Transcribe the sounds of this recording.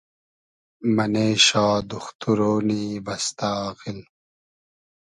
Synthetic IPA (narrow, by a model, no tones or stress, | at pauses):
mɐneːɕaːd̪uxt̪uɾoːniːbɐst̪aːqil